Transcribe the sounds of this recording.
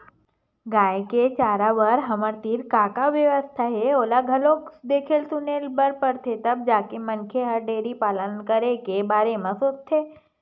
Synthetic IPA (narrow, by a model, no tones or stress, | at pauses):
ɡaːjket͡ʃaːɾaʋəɾɦɐməɾt̪iːɾkaːkaʋjəʋəst̪ʰaɦɛoːlaɡʱɐloːkd̪eːkʰelsʊnelbəɾpəɾt̪ʰet̪ɐb̚d͡ʒaːkemɐnkʰeɦɐɾɖeːɾipaːlənkəɾekebaːɾemãsoːt͡ʃt̪ʰːeː